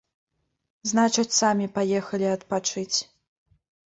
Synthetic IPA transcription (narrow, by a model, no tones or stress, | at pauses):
znat͡ʂɐt͡sʲsamʲipajɛxɐlʲiɐt̪pat͡ʂɨt͡sʲ